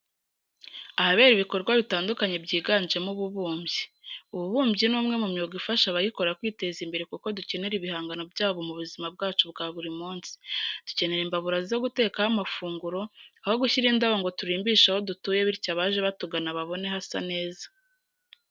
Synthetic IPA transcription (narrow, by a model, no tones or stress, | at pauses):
ahaβe̞ːɾiβiko̞ɾɡwaβitaːndukaɲe̞bɟiːɡaːnʒe̞muβuβuːmbɟiuβuβuːmbɟinuːmŋe̞mumɲoɡifaʃaβajiko̞ɾakwiːte̞ːzimbe̞ɾe̞kuko̞duce̞neɾiβihaːŋɡano̞bɟaːβo̞muβuzimab̚ɡaːt͡ʃubɡaːβuɾimuːnsi̥d̥u̥ce̞ne̞ɾimbaβuɾazizo̞ɡute̞ːkahamafuːŋɡuɾo̞aho̞ɡuçiɾiːndaβoŋɡo̞tuɾiːmbiːʃaho̞dutuːje̞βiɾcaβaːʒe̞βatuɡanaβaβo̞ne̞hasa̰ne̞ːza